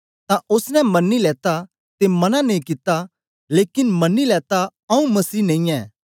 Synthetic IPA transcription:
t̪ãʔʊsnɛ̃mɐnːilɛːt̪a | t̪emɐnãnẽĩkɪt̪a | leːkɪnmɐnːilɛːt̪aɐũmɐsiːnɐ̃ĩɛː

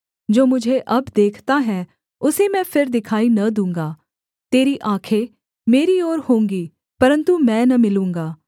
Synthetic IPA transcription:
d͡ʒoːmʊd͡ʒʱeʔɐbd̪eːkʰt̪aɦɛː | ʊsemɛ̃ːpʰɪɾd̪ɪkʰaːinɐd̪ũːŋɡaː | t̪eːɾiʔaːkʰe | meːɾioːɾhõːŋɡiː | pɐɾə̃nt̪umɛ̃ːnɐmɪlũːŋɡaː

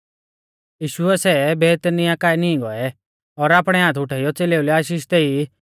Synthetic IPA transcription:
jiːʃʊɛsɛbɛːt̪nɪjãkaːɛniĩɡɔ̰ɛ | ɔːɾaːpɽ̃ɛɦãːt̪ʰʊʈʰaːijɔt͡seleːulɛaːʃ̬iːʃt̪ɛi

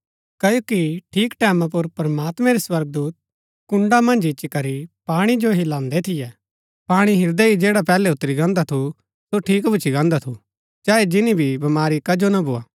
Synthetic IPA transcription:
kɐjoːkiʈʰiːkʈɛːmãp̬ʊɾpɾɐmaːt̪mɛ̃ɾiswɐɾɡ̚d̪uːt̪̚ | kʊ̃ɳɖamɐ̃nd͡ʒɪt͡ʃːikɐɾipaːɽ̃id͡ʒoɦilãːnd̪et̪ʰɪjɛ | paːɽ̃iɦɪɾd̪ɛid͡ʒeːɽapɛːlɛʊt̪ːɾiɡãːnd̪at̪ʰu | soʈʰiːkbʱʊt͡ʃʰiɡãːnd̪at̪ʰu | d͡ʒaːed͡ʒɪnibʱibɐmaːɾikɐd͡ʒonaboːa̰ː

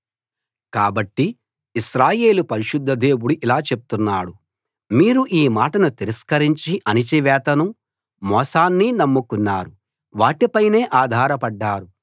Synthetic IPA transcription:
kaːbɐʈːi | iʃɾaːje̞ːlupɐɾiʃud̪ʱːɐd̪e̞ːwuɽuʔilaːt͡ʃe̞p̚u̥t̪unːaːɽu | miːɾuʔiːmaːʈɐnut̪iɾɐskɐɾiɲt͡ʃiʔɐnit͡ʃiʋɛːt̪ɐnu | mɔːsaːnːinɐmːukunːaːɾu | ʋaːʈipɐjne̞ːʔaːd̪ʱaːɾɐpɐɖːaːɾu

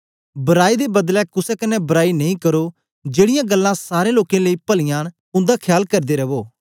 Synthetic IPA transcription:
bəɾaːiːd̪eːbəd̪lɛːkʊsɛːkɪnɛːbəɾaːiːnəĩːkəɾoː | d͡ʒeːɽɪjãːɡəlːãːsaːɾẽːloːkẽːləiːpəlɪjãːn | ʊ̃nd̪aːkʰjaːlkəɾd̪eːɾəʋoː

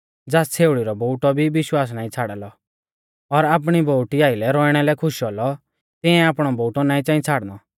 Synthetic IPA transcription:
d͡zaːst͡sʰeːʊɽiɾɔboʊʈɔbʱibɪʃwaːs̬naːĩt͡sʰaːɽalɔ | ɔɾaːp̬ɽ̃iboʊʈiaːɪlɛɾɔɪɽ̃ɛlɛkʰʊʃɦɔlɔ | t̪ɪ̃ɛ̃aːpɽ̃ɔbowʈɔnaːĩt͡saːĩt͡sʰaːɽnɔ

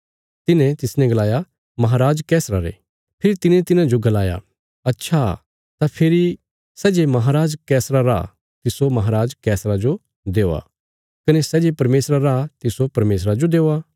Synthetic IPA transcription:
t̪ɪnɛ̃t̪ɪsnɛ̃ɡɐlaːja | mɐɦaːɾaːd͡ʒkɛːsɾaɾḛ | pʰɪɾit̪ɪnẽt̪ɪnãd͡ʒoɡɐlaːja̰ | ɐtːʃʰa | t̪apʰɪɾi | sɛːd͡ʒemɐɦaɾaːd͡ʒkɛːsɾaɾa̰ | t̪ɪsomɐɦaːɾaːd͡ʒkɛːsɾad͡ʒo | d̪eːoa̰ | kɐnesɛd͡ʒepɐɾmeːsɾaɾat̪ɪsopɐɾmeːsɾad͡ʒod̪eːoa

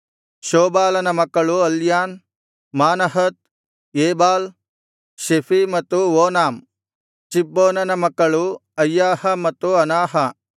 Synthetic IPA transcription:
ʃoːbaːlɐnɐmɐkːɐɭuɐljaːn | maːnɐɦɐt̪̚ | eːbaːl | ʃepʰimɐt̪ːuʋoːnaːm | t͡ʃibːoːnɐnɐmɐkːɐɭuɐjːaːhɐmɐt̪ːuɐnaːɦɐ

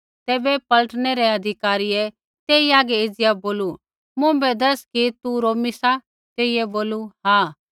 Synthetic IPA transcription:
t̪ɛːbɛpɐləʈnɛɾɛɐd̪ʱɪkaːɾiɛ | t̪eːiaːɡɛɪd͡ʒɪjaboːlu | mʊ̃bɛd̪ɐskit̪uɾoːmisa | t̪eːijɛboːluɦaː

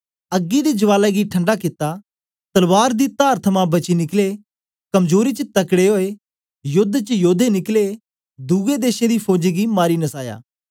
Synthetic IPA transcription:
ɐɡːid̪ed͡ʒɐʋaːlaeɡiʈʰə̃ɳɖakɪt̪a | t̪ɐlʋaːɾd̪it̪aːɾt̪ʰəmãbɐt͡ʃinɪkle | kɐmzoːɾit͡ʃət̪ɐkɽeɦoːe | jʊd̪ːt͡ʃəjoːd̪enɪkle | d̪uɡed̪eːʃẽd̪ipʰoːd͡ʒiɡimaːɾinɐsaːja̰ː

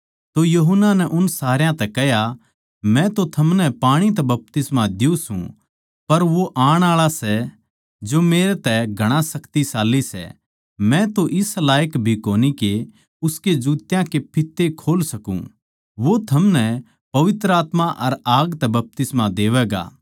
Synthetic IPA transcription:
t̪ojɐɦənːanɛʔʊnsaːɾjãt̪ɛkɛɦja | mɛ̃t̪ot̪ʰɐmnɛpaːɽ̃it̪̬ɛbɐp̚t̪ɪsmad̪ɪjũsṵ̃ | pɐɾʋoʔaːɽ̃aːɭasɛ | d͡ʒomeːɾet̪ɛɡʱɐɽ̃ãsɐkt̪isaːlːisɛ̰ | mɛ̃t̪oʔɪslaːjəkbʱikoːnike | ʊsked͡ʒuːt̪jãkepʰɪt̪ːekʰoːlsɐkṵ̃ | ʋot̪ʰɐmnɛ | pɐʋɪt̪ɾəaːt̪maʔɐɾaːɡt̪ɛbɐp̚t̪ɪsmad̪eːʋɛːɡa̰ː

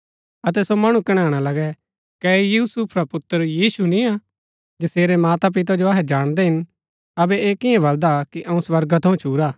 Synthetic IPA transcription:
ɐt̪ɛsomɐɽ̃ũkɐɽ̃aːɽ̃alɐɡɛ | kɛjuːsupʰɾapʊt̪ːəɾjiːsunĩa | d͡ʒɐseːɾɛmaːt̪ap̬ɪt̪̬ad͡ʒoɐːɦɛd͡ʒaːɽ̃d̪eɦɪn | ɐbɛeːkɪɛ̃bɐld̪akiʔɐũsʋɐɾɡat̪ʰɐũt͡ʃʰuːɾaː

